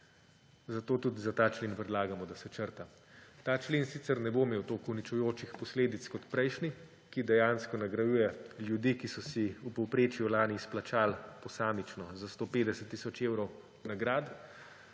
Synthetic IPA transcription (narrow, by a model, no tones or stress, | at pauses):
zat̪oːt̪ud̪izat̪aːt͡ʃlenpɾɛd̪laːɡamɔd̪asɛt͡ʃəɾt̪a | t̪aːt͡ʃleːnsiːt̪sɛɾnɛbomeːwt̪okunit͡ʃujoːt͡ʃixpɔsleːd̪it̪skɔt̪pɾɛjʃni | kid̪ɛjaːnskɔnaɡɾajuːjɛljud̪ikisɔsiupɔwpɾeːt͡ʃjulaːnisplat͡ʃaːlpɔsaːmit͡ʃnɔzast̪oːpeːd̪ɛsɛt̪ːisɔt͡ʃewɾɔw | naɡɾaːd̪